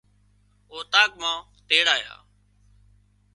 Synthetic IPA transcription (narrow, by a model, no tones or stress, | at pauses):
oːt̪aːk̚mãː | t̪eːɽaːja̰ː